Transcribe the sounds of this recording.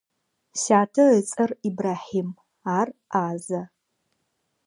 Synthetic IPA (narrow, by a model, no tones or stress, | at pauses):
saːtʰɐət͡sʼɐribraːħim | aːraːzɐ